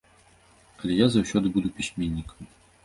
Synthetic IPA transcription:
ɐlʲejazɐɕod̪ɨbud̪ʊpʲisʲmʲenʲːikə̥m

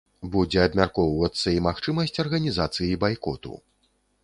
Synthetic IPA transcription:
bud͡zʲɛɐbmʲarkɔwvɐt̪sːɐimaxt͡ʂɨmɐsʲt͡sʲɐrɣɐnʲizat̪sɨjibajkɔt̪ṵ

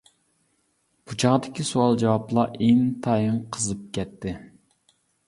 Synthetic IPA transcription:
b̥ut͡ʃʰɑʁd̪ɪkʲisuɑlˠd͡ʒɛwɑplˠɑʔeŋt̪ʰɑjɨŋqʰəzɨp̚kʲɛt̪ʰːɪ

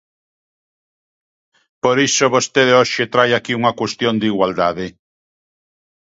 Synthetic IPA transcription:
poɾisoβost̪eðeoʃet̪ɾajakiuŋakwest̪jond̪iɣwald̪aðɪ

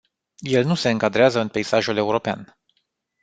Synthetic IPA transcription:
je̞lnuse̞ɨŋkad̪ɾeazəɨnpe̞isaʒule̞uɾo̞pea̰n

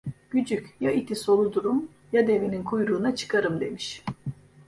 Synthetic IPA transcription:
ɟ̥yd͡ʒycʲjait̪ʰiso̞lˠud̪uɾum | jad̪e̞vininkʰujɾuːnat͡ʃʰɯ̥kʰaɾɯmd̪e̞miʃ

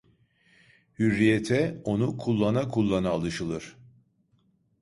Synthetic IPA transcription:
hyɾːijet̪ʰɛo̞nukʰulˠːanakʰulˠːanaːlˠɯʃɯlˠɯɾ̥

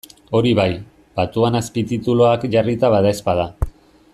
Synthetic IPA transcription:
o̞ɾiβaj | b̥at̪uanaspit̪it̪uloakʝarit̪aβaðaespaða

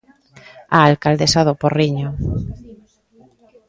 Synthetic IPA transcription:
aːlkald̪esaðoporiɲo

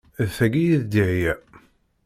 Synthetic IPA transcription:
ðθæɡijiðd̪iʕjæ

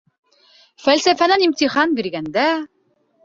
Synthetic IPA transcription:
fælʲsæfænænimt̪iχanbiɾɡænd̪æ

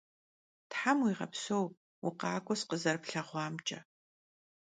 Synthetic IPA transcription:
tħamwiːʁɐ̰psow | ʊ̰qɑːkʷʼɔsqəzɐrpɬɐʁʷɑːmt͡ʃʼɐ

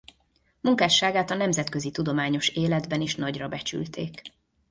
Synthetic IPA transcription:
muŋkaːʃːaːɡaːt̪ɒnɛmzɛt̪køzit̪ud̪o̞maːɲo̞ʃeːlɛd̪bɛniʃnɒɟrɒbɛt͡ʃy̰lt̪ʰeːk

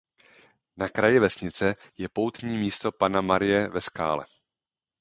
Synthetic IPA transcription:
nakɾajɪvɛsɲɪt͡sɛ | jɛpo̞wt̪ɲiːmiːst̪o̞panamaɾɪjɛvɛska̰ːlɛ̰

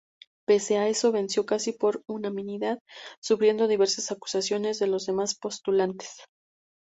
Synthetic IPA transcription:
peseae̞so̞β̞e̞nsjo̞kasipo̞ɾunamĩniðaðsufɾje̞nd̪o̞ð̞iβe̞ɾsasaku̥sasjo̞ne̞zðe̞lo̞zðe̞maspo̞st̪ulant̪e̥s

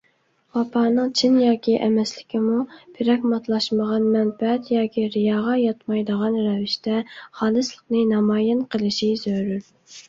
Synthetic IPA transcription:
wɑpʰɑːnɨŋt͡ʃʰinjɑːkʲʰiʔɛmɛslɪkʲimub̥ʰɪɾɛkʲmɑt̪ʰlˠɑʃməʁɑnmɛnfɛɛt̪jɑːkʲiɾijɑːʁɑjɑt̪mɑjd̪əʁɑnɾɛvɪʃt̪ɛχɑːlˠɨslˠəqnɨnɑmɑːjɪnqʰəlˠɨʃizøɾyɾ

